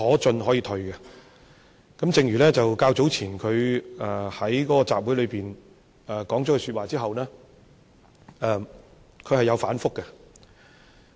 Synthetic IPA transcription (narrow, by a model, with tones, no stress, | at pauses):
ɔː˨˥t͡ʃɵ˧nɦɔː˨˥jiː˧t̪ʰɵ˧ɥkɛ˧ | kɐ˨˥mt͡sɪ˨˧ŋɥyː˨˩lɛː˥t͡sɐ˨wkaː˧wt͡so˨˥wt͡sʰiː˨˩nkʰɵ˨˧ɥɛː˨˩hɐ˨˥jkɔː˨˥kɔː˧t͡sa̰ː˨p̚wuː˨˥jlɵ˨˧ɥpiː˨n | ɛː˨˩kɔː˨˥ŋtɔː˨˥kɛ˧sy˧t̚waː˨t͡siː˥ɦɐ˨wnɛː˥ | ʔɛ˧m | kʰɵ˧ɥhɐ˨jɐ˨˧wfaː˨˥nfʊ˥kːɛ˧